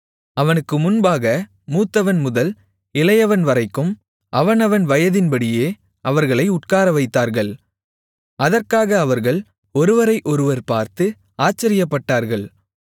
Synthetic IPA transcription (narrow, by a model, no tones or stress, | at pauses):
ɐʋɐnɯkːɯmʊnbaːɣɐ | muːt̪ːɐʋɐnmʊðɐl | ɪlɐjɐʋɐnʋɐɾɐɪkːɯm | ʔɐʋɐnɐʋɐnʋɐjɐðɪnbɐɽɪjeː | ʔɐʋɐɾɣɐɭɐɪʊʈkaːɾɐʋɐɪt̪ːaːɾɣɐɭ | ʔɐðɐɾkaːɣɐːʋɐɾɣɐɭ | ɔɾɯʋɐɾɐɪʔɔɾɯʋɐɾpaːɾt̪ɯ | aːt͡ʃːɐɾɪjɐpːɐʈːaːɾɣɐɭ